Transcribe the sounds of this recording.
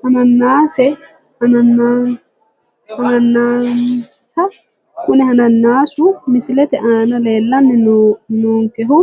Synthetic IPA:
hɐnɐnːaːsɛ | ɐnɐnːa | hɐnɐnːaːnsɐ | kʊnɛhɐnɐnːaːsʊmɪsɪlɛt̪ɛʔanɐle̞ːlːɐnːɛnnuːŋkɛɦʊ

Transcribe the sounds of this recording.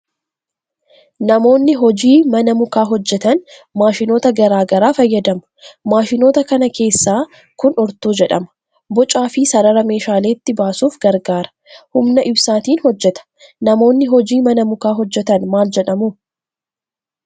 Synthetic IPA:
nɐmo̞ːnːɪɦɔd͡ʒiːmɐnɐmʊkaːɦɔd͡ʒːɛt̪ɐn | maːʃɪno̞ːt̪ɐɡɐɾaːɡɐɾaːfɐjːɐd̪ɐmɐ̥maːʃɪno̞ːt̪ɐkɐnɐkʰe̞ːsːaː | kʊnɔɾt̪uːd͡ʒɛᶑɐmɐ̥ | bɔt͡ʃʼaːfɪsɐɾɐɾɐme̞ːʃaːle̞ːɪt̪ːɪbaːsuːfɡɐɾɡaːɾɐ̥ | hʊmnɐʔɪbsaːt̪iːnhɔd͡ʒːɛt̪ɐ̥ | nɐmo̞ːnːɪɦɔd͡ʒiːmɐnɐmʊkaːɦɔd͡ʒːɛt̪ɐnmaːld͡ʒɛᶑɐmuː

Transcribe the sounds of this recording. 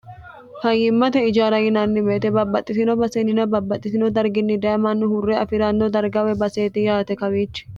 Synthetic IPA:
hɐjɪmːɐt̪ɛɪd͡ʒaːɾɐjɪnɐnːɪbeːt̪ɛbɐbːɐt̪ʼːɪsɪnɔbɐsɛnɪnɐbɐbːɐt̪ʼːɪsɪnɔd̪ɐɾɡɪnːɪd̪ɐjɐmɐnːʊhʊrːɛɐfɪɾanːɔd̪ɐɾɡɐwɛbɐseːt̪ɪjaːt̪ɛkɐwiːt͡ʃːɛ̥

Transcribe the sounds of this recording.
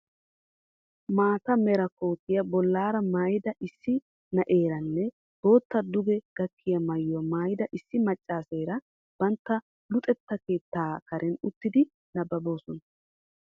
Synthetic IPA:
maːt̪ɐmɛɾɐkoːt̪ɪjɐbɔlːaːɾɐmaːjɪd̪ɐʔɪsːɪ | nɐʔe̞ːɾɐnːɛ | b̥o̞ːt̪ːɐd̪ʊɡɛɡ̥ɐkʰːɪjɐmɐjːɔmaːjɪd̪ɐʔɪsːɪmɐt͡ʃʼːaːse̞ːɾɐ | b̥ɐnt̪ːɐ | lʊt̪ʼɛt̪ːɐke̞ːt̪ːaːkɐɾʔɛnʊt̪ːɪd̪ɪ | nɐbɐbo̞ːsɔn

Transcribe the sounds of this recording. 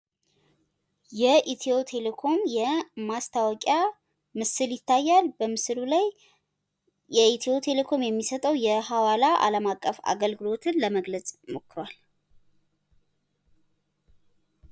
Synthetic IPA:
jɛʔit̪ʰio̞t̪ʰe̞lekʰo̞mjɛmast̪ʰawɔkʼja | mɨsɨljɪt̪ʰːajːalbəmɨsɨlulaj | jɛit̪ʰio̞t̪ʰe̞lekʰo̞mjɛmːisət̪ʼəwjɛhawalaʔa̰ləmakʼːəfa̰ɡəlɡɨlo̞t̪ʰɨnləməɡlət͡sʼmo̞kʰːɨɾwal

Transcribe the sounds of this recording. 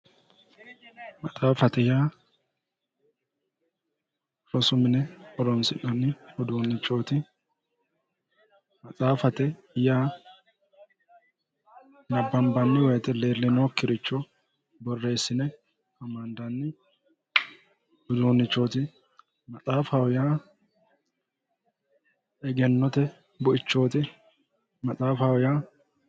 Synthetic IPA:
mɐt͡sʼaːfɐt̪ɛjaː | ɾɔsʊmɪnɛɔɾɔnsɪnɐnːɪhʊd̪oːnːɪt͡ʃːoːt̪ɪ | mɐt͡sʼaːfɐt̪ɛ | ɪjaː | nɐbːɐmbɐnːɪwɔjɛt̪ɛle̞ːlːɪnoːkːɪɾɪt͡ʃːɔ | bɔrːe̞ːsːɪnɛ | ɐmand̪anːɪ | ʊd̪uːnːɪt͡ʃːoːt̪ɪ | mɐt͡sʼaːfawʊjaː | ɛɡɛnːɔt̪ɛ | bʊʔɪt͡ʃːo̞ːt̪ɪ | mɐt͡sʼaːfawʊjaː

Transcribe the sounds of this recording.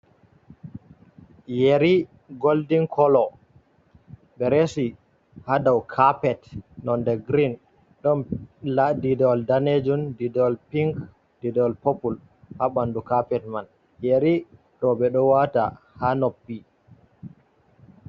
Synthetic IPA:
jeɾi | ɡoldiŋkʰɔlɔ | ɓɛɾesi | hadawkʰapɛtnɔndɛɡɾin | ɗɔnladidɔldaned͡ʒundidɔlpiŋk | didɔlpopul | haɓandukapɛtman | jeɾi | ɗɔɓɛɗɔwata̰ | hanɔpːi

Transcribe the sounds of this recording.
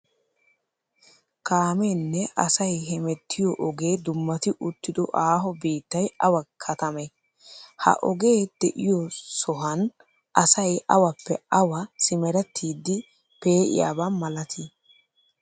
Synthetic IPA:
kaːmenːɛʔɐsɐjɦɛmɛt̪ːɪjɔʔɔɡeːd̪ʊmːɐt̪ɪʔʊt̪ːɪd̪ɔ̰ʔaːɦɔbiːt̪ːɐjɐwɐkʰːɐt̪ɐmɛ | hɐ̰ʔɔ̰ɡe̞ːd̪̥ɛʔɪjɔsɔɦɐn | ʔɐsɐjɐwɐpːɛɐwɐsɪmɛɾɛt̪ʰːiːd̪ːɪ | pe̞ːʔɪ̰ja̰ːbamɐlɐt̪ʰi

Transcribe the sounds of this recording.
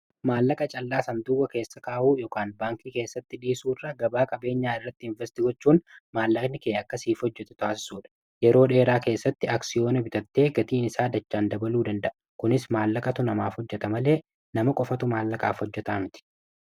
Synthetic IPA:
maːlːɐkʼɐt͡ʃʼɐlːaːsɐnd̪ʊwɐke̞ːsːɐkaːʔuːjɔkaːnbaːŋkiːke̞ːsːɐt̪ːɪᶑiːsuːrːɐɡɐbaːkʼɐbe̞ːɲːaːɪrːɐt̪ːɪɪɱvɛst̪ɪɡɔt͡ʃːuːnmaːlːɐknɪkeːɐkːɐsiːfhɔd͡ʒːɛt̪ɛ̥t̪ʊaːsɪ̥suːᶑɐ̥ | jɛɾo̞ːᶑe̞ːɾaːke̞ːsːɐt̪ːɪaːksɪjo̞ːnɐbɪt̪ɐt̪ːe̞ːɡɐt̪iːnɪsaːd̪ɐt͡ʃːaːnd̪ɐbɐluːd̪ɐnd̪ɐʔɐkʊnɪsmaːlːɐkʼɐt̪ʊnɐmaːfhɔd͡ʒːɛt̪ɐmɐle̞ː | nɐmɐkʼɔfɐt̪ʊmaːlːɐkʼa̰ːfhɔd͡ʒːɛt̪aːmɪt̪ɪ̥

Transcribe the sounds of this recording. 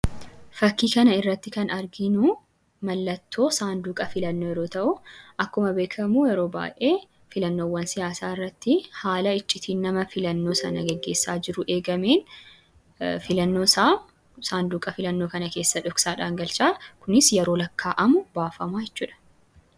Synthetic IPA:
fɐkːiːkɐnɐɪrːɐt̪ːɪkɐnɐɾɡɪnʊ | mɐlːɐt̪ʰːo̞ːsaːnd̪uːkʼɐfɪlɐnːoːjɛɾo̞ːt̪ɐʔʊʔɐkːʊmɐbe̞ːkʰɐmuːjɛɾo̞ːba̰ːʔe̞ː | fɪlɐnːo̞ːwːɐnsɪjaːsaːɪrːɐt̪ːɪhaːlɐɪt͡ʃʼːɪt̪ʰiːnːɐmɐfɪlɐnːo̞ːsɐnɐɡɛɡːe̞ːsːaːd͡ʒɪɾʊʔe̞ːɡɐmeːn | fɪlɐnːo̞ːsaː | saːnd̪uːkʼɐfɪlɐnːo̞ːkɐnɐke̞ːsːɐᶑɔksaːᶑaːŋɡɐlt͡ʃaːkʊnɪsjɛɾo̞ːlɐkːaːʔɐmʊbaːfɐmaːjɛt͡ʃːuːᶑɐ̥

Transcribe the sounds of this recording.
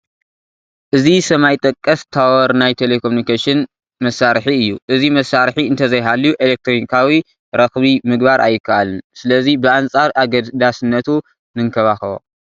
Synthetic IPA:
ʔɨzisɐmajt̪ʼɐkʼːɐst̪ʰawɔɾnajt̪ʰelekʰomunikʰeʃɪn | mɐsːaɾħiɨjːuʔɨzimɐsːaɾħiɨnt̪ʰɐzɐjɦalːijuʔelek̚t̪ʰɾonikʰawi | ɾɐxβimɨɡbaɾʔa̰jːɨkʰːaʔalɨnsɨlɐzibɨant͡sʼaɾʔaɡɐd̪d̪asɨnːɐt̪ʰu | nɨŋkʰɐβaxɐβo̰

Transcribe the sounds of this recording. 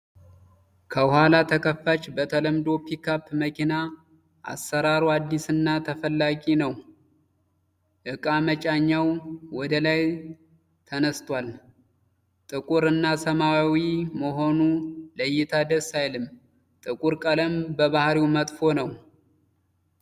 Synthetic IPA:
kʰəhalat̪ʰəkʰəfːat͡ʃbət̪ʰələmd̪o̞pʰikʰapməkʰina | ʔa̰sːəɾaɾuad̪ːisɨnːat̪ʰəfəlːaɡʼinəw | ʔɨkʼamət͡ʃʼaɲːawwɔd̪əlaj | t̪ʰənəst̪ʼwal | t̪ʼɨkʼuɾɨnːasəmawawiməɦo̞nuləjːɪt̪ʰad̪əsajlɨm | t̪ʼɨkʼuɾkʼələmbəβahɾiwmət̪ʼfo̞nəw

